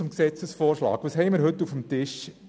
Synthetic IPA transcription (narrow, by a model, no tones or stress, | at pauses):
ʊmksɛt͡səsfoːɾʃlɑ̰ːkʋɑːsɦɛɪməɾɦɵtːufəmt̪ɪʃ